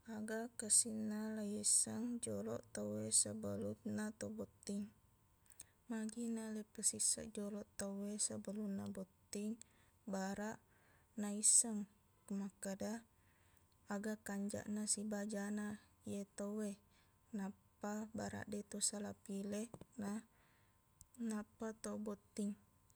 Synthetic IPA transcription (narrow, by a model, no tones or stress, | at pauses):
aɡakəsinːalajesəŋd͡ʒɔlɔ̰ʔt̪owesəbəlut̪nat̪obɔt̪ːiŋ | maɡinalepəsisa̰ʔd͡ʒɔlɔʔt̪owesəbəlunabot̪ːiŋbaɾaʔ | naisəŋ | kəmakəda | aɡakaɲd͡ʒa̰ʔnasibad͡ʒana | ijet̪owe | napabaɾa̰ʔdet̪usalapilena | napat̪obot̪iŋ